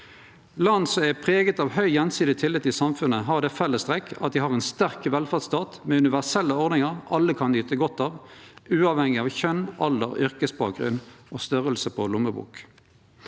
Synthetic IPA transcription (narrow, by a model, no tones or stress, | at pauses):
lɑnsɔmɛʁpʰʁeːɡət̪ɑːʋhœʏjɛnsiːd̪ɪt̪ʰɪlːɪt̪ːɪsɑmfʉnəɦɑʁd̪ɛfɛlːəst̪ʁɛkːɑt̪̚d̪ɪhɑʁɛnst̪æʁkʋɛlfæʁd̪st̪ɑːt̪mɛːʉnɪʋæʁsɛlːəɔʁd̪nɪŋəʁɑlːəkʰɑnlyːt̪əɡɔt̪ːɑːʋʉːɑʋhɛŋɪɑːʋçœnʔɑld̪əʁʏʁkəsbɑ̰ːk̚ɡʁʉ̰nʔoːst̪œʁəlsəpʰɔlʊməbṵːk